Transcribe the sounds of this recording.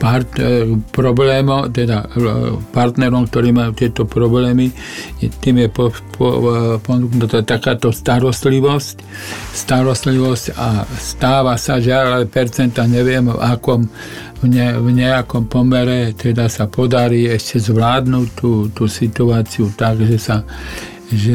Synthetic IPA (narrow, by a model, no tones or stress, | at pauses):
paɾt̪pɾɔblɛːmɔt̪ɛd̪apaɾt̪nɛɾɔmkt̪ɔɾiːmajut̪ɪɛt̪ɔpɾɔblɛːmi | ɛt̪iːmjɛpɔpɔ̰pɔnuknat̪ɔɛt̪akaːt̪ɔst̪aɾɔst̪liʋɔsc | st̪aɾɔst̪liʋɔscast̪aːʋasaʒɪalaɛpɛɾt͡sɛnt̪aɲɛʋɪɛmvakɔm | ɲɛvɲɛakɔmpɔmɛɾɛt̪ɛd̪asapɔd̪aɾiːɛʃcɛzʋlaːd̪nuːct̪uːt̪uːsit̪uaːt͡siut̪aɡʒɛsa | ʒɛ